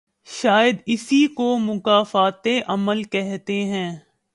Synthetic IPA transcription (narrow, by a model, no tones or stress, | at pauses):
ʃaːjəd̪ɪsikomʊkaːfaːt̪eʔɐməlkɛɦt̪eɦɛ̃ː